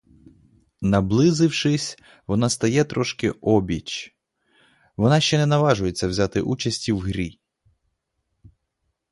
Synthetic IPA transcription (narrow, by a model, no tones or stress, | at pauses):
nɐblˠɪzɪwʃɪsʲ | ʋɔnɑst̪ɐjɛt̪ɾɔʃkɪʔɔbʲit͡ʃ | ʋɔnɑʃt͡ʃɛnɛnɐʋɑʒʊjet͡sʲːɐwzʲat̪ɪʔut͡ʃɐsʲtʲiwɦɾʲi